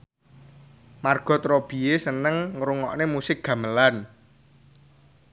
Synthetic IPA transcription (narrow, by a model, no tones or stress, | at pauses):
marɡ̥ɔ̤t̪ɾob̥i̤esənəŋːɾuŋɔʔnemusɪk̚ɡ̥ä̤məlan